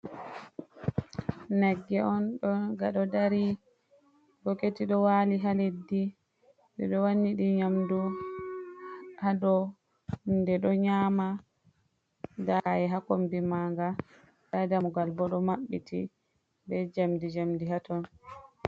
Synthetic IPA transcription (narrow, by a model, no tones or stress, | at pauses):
nɛɡːɛɔnɗɔɡaɗɔdaɾi | ɡɔketiɗɔwaliɦaledːi | dɛ̰ɗɔwanːiɗiɲamdu | haɗɔ | ndɛɗɔɲaːma | daɛɦakombimaŋɡa | ɗadamuɡalbɔɗɔmaɓːitʰḭ | bɛd͡ʒamdid͡ʒamdiɦatɔn